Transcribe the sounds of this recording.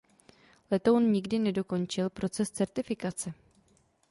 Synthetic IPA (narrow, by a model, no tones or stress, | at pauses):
lɛt̪o̞wnɲɪɡdɪnɛdo̞ko̞nt͡ʃɪlpɾo̞t͡sɛst͡sɛɾt̪ɪfɪkat͡sɛ